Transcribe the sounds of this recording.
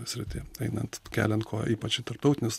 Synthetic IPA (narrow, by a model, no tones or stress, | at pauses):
sʲɾʲɪt̪ʲeːɛɪnɐnt̪kʲæ̰ːlʲɛnt̪kʰoːʔiːpɐt͡ʃɪt̪ɐɾp̚t̪ɐʊt̪ʲɪnʲʊs